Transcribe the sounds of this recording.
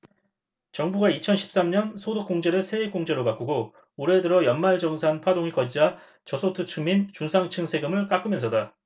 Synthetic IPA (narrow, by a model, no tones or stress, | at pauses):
t͡ɕʌŋbuɡait͡ɕʰʌnɕʰi̥p̚s͈amɲʌnsʰodok͈oŋd͡ʑeɾɯɭsʰe̞ek͈oŋd͡ʑe̞ɾopak͈uɡo | oɾe̞dɯɾʌjʌnmaɭd͡ʑʌŋs̬ʰanpʰwadoŋikʌd͡ʑid͡ʑa | t͡ɕʌsʰotʰɯt͡ɕʰumint͡ɕunsʰaŋt͡ɕʰɯŋsʰe̞ɡɯmɯɭk͈ak͈ɯmjʌnsʰʌda